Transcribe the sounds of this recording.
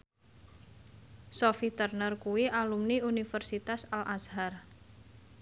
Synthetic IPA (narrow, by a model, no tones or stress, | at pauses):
sofit̪ərnərkuwiʔalumniunifərsit̪asalʔashar